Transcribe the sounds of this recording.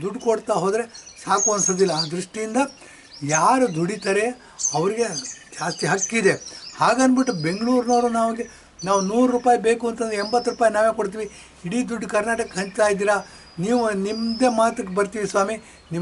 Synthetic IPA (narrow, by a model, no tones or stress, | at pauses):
d̪uɖːkoɽt̪aːɦo̞ːd̪ɾe̞saːkuɐnsoːd̪ilːɐaːd̪ɾiʂʈijind̪ɐ | jaːɾud̪uɽit̪aːɾe̞ | ɐʋɐɾiɡe̞d͡ʒaːst̪iɦɐkːid̪ehaːɡɐnbiʈːube̞ŋɡɭuːɾnoːɾunaːʋɡe | naːʋunuːɾɾupaːjibe̞ːkuɐnt̪ɐnd̪ɾeembɐt̪ːɾupaːjinaːʋekoɽt̪̬iːʋi | iɽid̪uɖːkɐɾnaːʈɐkːɐɦɐɲt͡ʃt̪aːjd̪iːɾa | niːʋunimd̪e̞maːt̪ukːebɐɾt̪iʋisʋaːmi | nim